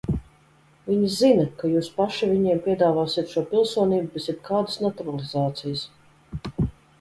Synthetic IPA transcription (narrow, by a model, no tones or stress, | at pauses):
viɲizinakajuːspaʃivʲiɲiɛmpʲiɛd̪aːvaːsiɛt̪ʃuɔpʲilˠsuɔnʲiːbubɛsʲit̪̚kʰaːd̪əsnat̪uɾalˠizaːt̪sijəs